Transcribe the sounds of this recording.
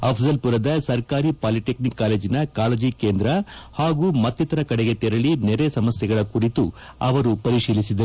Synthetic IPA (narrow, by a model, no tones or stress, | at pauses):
ɐpʰsɐlpuɾɐd̪ɐsɐɾkaːɾipaːliʈeknikːaːle̞ːd͡ʒinɐkaːlɐd͡ʒike̞ːnd̪ɾɐhaːɡuːmɐt̪ːit̪ɐɾɐkɐɽeɡe̞t̪ɛɾɐɭinɛɾesɐmɐsjɐɡɐɭɐkuɾit̪u | ɐ̰ʋɐɾupɐɾiʂiːlisid̪ɐ